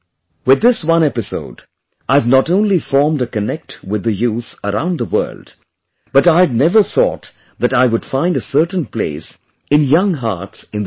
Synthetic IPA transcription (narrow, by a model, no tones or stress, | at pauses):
wɪðːɪswʌ̃nɛpɨso̰ʊd | ʔaɪvnəɾõʊ̃nlifɔɹmdəkɨnɛk̚twɪðɨjuθəɾãʊ̃nðəwɜ̰˞lˠd | b̥ʌɾaɪdnɛvə˞θɔ̰t̪ | ðɨɾaɪwʊd̥fãɪ̃ndɨsɜ˞tn̩plḛɪs | ɨ̃njʌ̃ŋɦɑ̰ɹtsɨ̃nð